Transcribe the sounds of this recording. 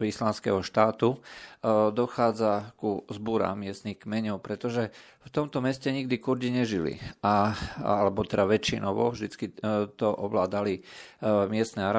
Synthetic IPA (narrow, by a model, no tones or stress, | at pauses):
islanskɛ̰ɦɔʃt̪aːt̪u | d̪ɔxaːd͡zakuzbuɾa̰mɪɛst̪nixkmɛɲɔʊpɾɛt̪ɔʒɛ | ft̪ɔmt̪ɔmɛscɛɲiɡd̪ikuɾɟiɲɛʒilḭaalɛbɔt̪ɛd̪aʋɛt͡ʃinɔʋɔ̰vʒd̪it͡skit̪ɔʔɔʋlaːd̪ali | mɪɛst̪nɛaɾa